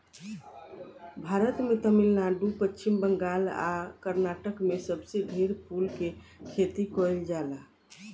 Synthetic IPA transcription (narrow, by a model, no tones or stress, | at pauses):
bʱaɾət̪met̪əmilnaɖupət͡ʃːt͡ʃʰimbəŋɡala̰kəɾnaʈəkmesəbsebʱiɾpʰulkekʰet̪ikɔjld͡ʒala